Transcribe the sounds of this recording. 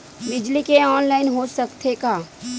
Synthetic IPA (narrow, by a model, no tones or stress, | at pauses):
bɪd͡ʒlikeɔːnlaːɪnɦosəkt̪ʰekaː